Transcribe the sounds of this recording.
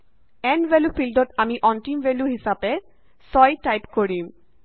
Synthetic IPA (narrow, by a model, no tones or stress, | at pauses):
ɛnʋelufilɖoʈamiʔɔnʈimʋeluɦisabe | sɔjʈajpkoɾim